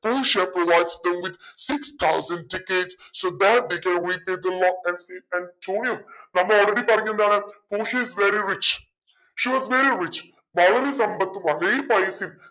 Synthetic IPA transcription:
puːʃapɾoʋaɪɖsd̪ə̃mʋɪd̪sɪkst̪ʰaʊzə̃ɳɖ̚ʈɪkeɖsːoːd̪æʈ̚d̪ekɛ̃nɾipeːd̪əlɔkɛ̃ɳɖseːɛ̃ɳʈʰoːniə̃mnãmɔːlɾeɖipɐɾɡẽnd̪anẽpoːʃiɪzʋeɾiɾɪt͡ʃ | ʃiʋɔzʋeɾiɾɪt͡ʃ | baːləlisɐ̃mbɐt̪ːʋalepaɪsĩn

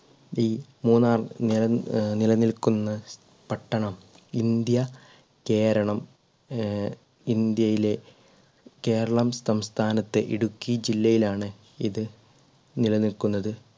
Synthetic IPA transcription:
iːmuːnaːrnilɐnilɐnilkunːɐ | pɐʈːɐɳɐm | ind̪jɐ | ke̞ːɾɐɳɐm | ind̪jɐjile̞ | ke̞ːɾɐɭɐmsɐmst̪ʰaːnɐt̪ːe̞̰ʔiɽukːid͡ʑilːɐjilaːɳɨ | iðɨ | nilɐnilkunːɐðɨ

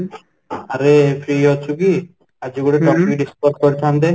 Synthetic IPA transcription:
aɾefʰɾiɦɔt͡ʃʰuki | ad͡ʒiɡuɽeʈɔpikɖispɔʈ̚kɔɾit̪ʰand̪e

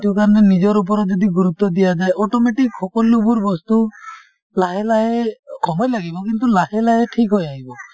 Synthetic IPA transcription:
ʈiukaɾɔnenid͡ʒɔɾup̬ɔɾɔd͡ʒɔd̪iɡuɾut̪ːɔd̪ijad͡ʒaeʔɔʈɔmeʈikhɔkɔlubuɾbɔst̪u | laɦelaɦekʰɔmɔjlaɡibɔk̬int̪ulahelaɦeʈʰikɦɔjaɦibɔ

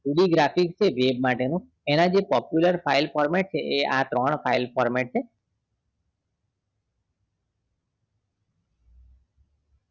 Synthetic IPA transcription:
uɽiɡɾapikst͡ʃʰeʋeb̚maʈenũ | enad͡ʒepɔpjuləɾpʰailpʰɔɾmeʈ̚t͡ʃʰeʔea̰t̪ɾɔɳ̃pʰailpʰɔɾmeʈ̚t͡ʃʰe

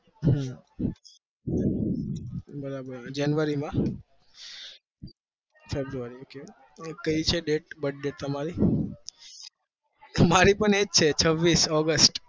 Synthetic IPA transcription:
ɦa | bəɾabəɾad͡ʒanʋəɾimã | febɾuʋaɾioke | kəit͡ʃʰeɖeʈ̚bəʈ̚ɖeʈ̚t̪əmaɾi | maɾipəɳed͡ʒt͡ʃʰet͡ʃʰəʋːisɔɡəsʈ

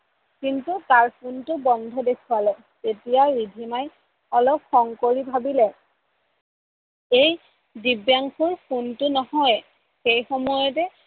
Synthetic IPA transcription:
kintutaɹpʰuntʊbɔndʱɔdekʰualɛ | tetijaɹidʱimaj | ɔlɔp̚xɔŋkoɹibʱabilɛ | ej | dibjaŋxʰuɹpʰuntʊnɔhɔj | xejxɔmɔjɔt̬ɛ

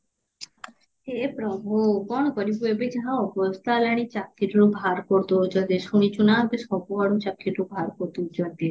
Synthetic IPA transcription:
epɾɔbʱokɔɳkɔɾibuebed͡ʒɦãɔbɔst̪alaɽ̃it͡ʃakʰːiʈɾubʱaɾkɔɾt̪od͡ʒɔt̪esuɽ̃it͡ʃunapesɔkoɦɔɽũt͡ʃakʰːiʈɾubʱaɾkɔɾt̪ud͡ʒɔt̪e

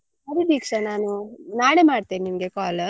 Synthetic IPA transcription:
ɐɾid̪iːkʂanaːnunaːɽemaːɽt̪eːnnimɡekaːl

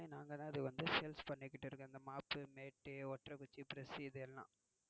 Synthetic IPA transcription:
inaːŋɡɐðãːɪðɯʋɐnd̪ɯsɛlspɐɳːɪkːɪʈːɪɾɯkːɯɐnd̪ɐmaːpɯmeːʈːɯɔʈɾɐkʊt͡ʃːipɪɾɛsɯɪðɐɛlːã̰ː

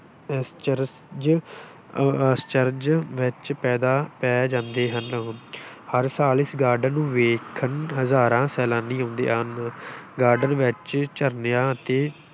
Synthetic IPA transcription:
st͡ʃəɾ | d͡ʒ | st͡ʃəɾd͡ʒʋɪt͡ʃpɛːd̪aːpɛːd͡ʒãːnd̪eːɦən | həɾsaːlɪsɡaːɾɖənːũːʋeːkʰənɦəzaːɾãːsɛːlãːnĩːɦõːnd̪ḛːɦənɡaːɾɖənʋɪt͡ʃt͡ʃəɾnjãːət̪eː

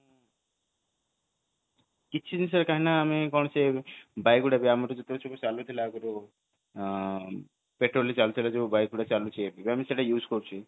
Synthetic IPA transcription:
kit͡ʃʰid̪ins̬aɾkaɦinaːmikɔɳ̃ɔsebajkuɽabiamaɾud͡ʒɔt̪ebt͡ʃʰɔkot͡ʃalut̪ʰilaːkuɾo | peʈɾolit͡ʃalut̪ʰilad͡ʒeubajk̚ɡuɽat͡ʃalut͡ʃʰiebibiamiseʈajuːzkɔɾt͡ʃʰi

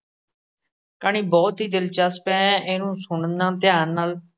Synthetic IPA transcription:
kaːniːbɔːt̪ɦiːd̪ɪlt͡ʃəspɛ̃ːeːnũːsʊɳnãːt̪ɪjãːnːaːl

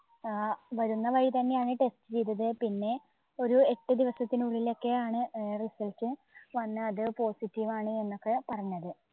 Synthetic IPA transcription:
ʋɐɾunːɐʋɐɻit̪ɐnːe̞aːɳɨʈe̞stɨt͡ɕejt̪ːɐðɨpinːe̞ | o̞ɾue̞ʈːɨd̪iʋɐsɐt̪ːinuɭːilo̞kːe̞aːɳɨrisɐlt͡ɕːɨ | ʋɐnːɨɐðɨpo̞ːsitːiʋaːɳɨe̞nːo̞kːe̞pɐrɐɲːɐðɨ

